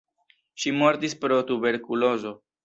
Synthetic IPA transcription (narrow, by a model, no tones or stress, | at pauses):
ʃimo̞ɾtispɾo̞t̪ube̞ɾkulo̞zo̞